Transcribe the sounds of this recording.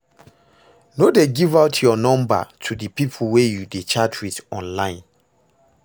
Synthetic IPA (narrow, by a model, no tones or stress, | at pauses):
nodeɡivaʊtʰjɔnɔ̃mba̰tʰudɨpipʰl̩wejudet͡ʃatʰwitɔ̃nlãɪ̃n